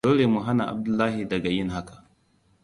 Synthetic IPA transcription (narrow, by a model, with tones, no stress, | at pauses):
oː˦le˨mu˨ɦa˦na˨ʔa̰˨b̚dʊ˦lːaː˦ɦi˨dɐ˨ɡa˨jɪ˦nɦa˦kḁ˨